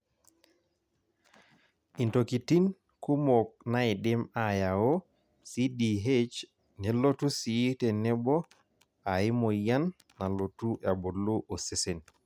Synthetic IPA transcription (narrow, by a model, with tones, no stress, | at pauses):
intoki˨ti˦n | ku˦mok̚nai˨ɗe˦majao | sidiɦet͡ʃ | ne˨lo˦tu˦sii˦tenɛ˦bɔ˦ | ai˦moja˦nː | a˨lotu˦a˨bo˨lːu˦ʔo˨se˨sen